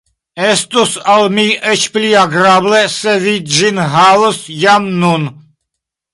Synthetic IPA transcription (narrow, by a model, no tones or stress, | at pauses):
ɛst̪usalmiɛt͡ʃʰpliaɡɾablɛsɛvid͡ʒinɦawəsjamnun